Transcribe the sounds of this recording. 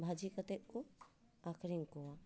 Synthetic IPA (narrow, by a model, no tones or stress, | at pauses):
bʱad͡ʒikɐt̪eku | aːkʰɾiŋkuwa